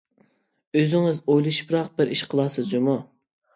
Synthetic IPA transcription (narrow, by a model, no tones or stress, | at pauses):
øzɪŋɪzojlˠɨʃpɾɑq̚bɪɾʔiʃqʰəlˠɑsɨzd͡ʒumu